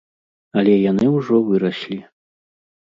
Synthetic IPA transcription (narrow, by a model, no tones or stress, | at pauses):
ɐlʲɛjanɨwʐɔvɨɾɐɕlʲi